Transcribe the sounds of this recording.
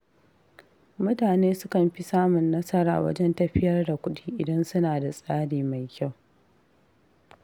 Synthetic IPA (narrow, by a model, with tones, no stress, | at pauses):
mʊ˦taː˨neː˦sʊ˦kɐ˨mɸi˦saː˦mʊ˨nːɐ˦sɐ˦ɾa̰ː˨wɐ̰˦d͡ʒɛ˦ntɐ˦ɸɪ˦jɐ˦rda˨kʷʊ˦ɗiː˦ʔɪ˨dɐ˦nsʊ˦naː˨da˨sʼaː˦ɽiː˨ma˨jkʲa˦˨w